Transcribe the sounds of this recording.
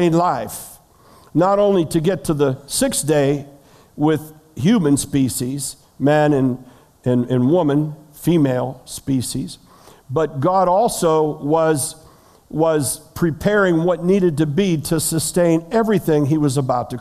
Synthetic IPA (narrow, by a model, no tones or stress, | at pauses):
ɪ̃nlaɪf | nəɾõʊ̃nliɾɨɡɛtʰɨðɨsɪksd̥eɪ | wɪð̥ | hjʉmɨ̃nspiʃiz̥ | mæ̃nɨ̃n | ɨ̃nɨ̃nwʊmɨ̃nfimeɪlˠspiʃiz | bʌt̚ɡ̥ɑɾɔlˠsoʊwʌz | wʌz̥pʰɹ̥ipʰɛɹɪ̃ŋwʌtⁿniɾɨd̚tɨbiɾɨsɨstẽɪ̃nɛvɹiθɪ̃ŋiwʌzəbaʊtʰɨ